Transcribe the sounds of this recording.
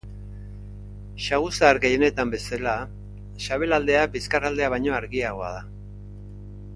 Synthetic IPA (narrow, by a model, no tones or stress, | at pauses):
ʃaɣusaːɾɣejene̞t̪ambe̞sala | ʃaβe̞lald̪e̞abiskarald̪e̞aβ̞ajɲo̞aɾɣiaɣ̞o̞a̰ða